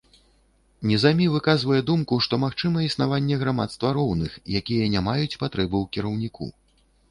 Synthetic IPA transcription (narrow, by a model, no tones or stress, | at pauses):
nʲɛzamʲivɨkazvɐjɛd̪umkuʂt̪ɔmaxt͡ʂɨmɐisnavanʲːɛɣɾama̰t̪st̪vɐɾɔwnɨxjakʲijɛnʲamajut͡sʲpat̪ɾɛbɨwkʲiɾɐwnʲikṵ